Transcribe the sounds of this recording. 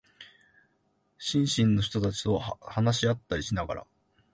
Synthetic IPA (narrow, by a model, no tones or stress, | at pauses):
ɕĩɰ̃ɕĩnːo̞çi̥t̪o̞t̪at͡ɕi̥t̪ohanaɕiat̪ːaɾʲiɕinaɡa̰ɾa̰